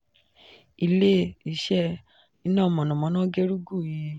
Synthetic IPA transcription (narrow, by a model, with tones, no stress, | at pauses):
i˦˧le˦i˧˨ʃɛ˦ | i˧˦nãː˦˨mɔ̃˨nɔ̃˨mɔ̃˧˦nã˦ɡe˦ɾu˦ɡu˦˨ji˧